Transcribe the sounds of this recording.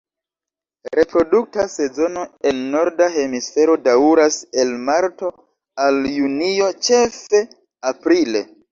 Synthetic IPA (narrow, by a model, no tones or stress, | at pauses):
ɾe̞pɾo̞duk̚tase̞zo̞no̞e̞nːo̞ɾdaɦe̞misfe̞ɾo̞dauɾase̞lmaɾto̞ | aljunio̞t͡ʃe̞fe̞ | apɾile̞